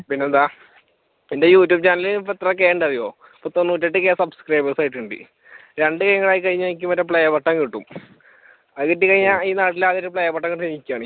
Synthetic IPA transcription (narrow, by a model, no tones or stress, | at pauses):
pinːeɐða | indejuːtːjuːb̚t͡ɕaːnɐlinpːet̪ːrɐkeːɳɖɐðijoː | pːot̪onːuːt̬ːɐʈ̬ːɨkeːsɐbskrɐjbɐsaːjʈːuɳɖḭ | ɾe̞ɳɖɨkɐjɐŋːɐɭaːjikɐɻiɲːaik̬ʲːumɐtːɐp̬ɭejɐpɐʈːɐŋkiʈːum | ɐðɨkɐtːɨkɐɻiɲːaiːnaːʈːilaːðoɾɨpɭejɐpɐʈːɐŋkiʈːɨseɲːikʲːaːɳ